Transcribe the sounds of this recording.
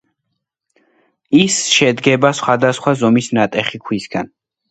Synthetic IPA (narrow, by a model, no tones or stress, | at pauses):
isʃɛd̪ɡɛbasχwad̪asχwazɔmisnat̪ʼɛχikʰwisɡan